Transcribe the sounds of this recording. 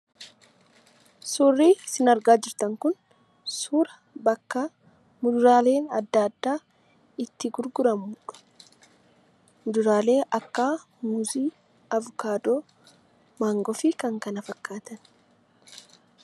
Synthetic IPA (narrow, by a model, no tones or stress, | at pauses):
suːrːiːsɪnɐɾɡaːd͡ʒɪɾt̪ɐŋkʊn | suːɾɐ | bɐkːaː | mʊd̪ʊɾaːle̞ːnɐ̰d̪ːad̪ːaː | ɪt̪ːɪɡʊɾɡʊɾɐmuːᶑɐ̥ | mʊd̪ʊɾaːle̞ːʔɐkːaː | mʊziː | ɐvʊkaːd̪oː | maːŋɡɔfɪkɐŋkɐnɐfɐkːaːt̪ɐn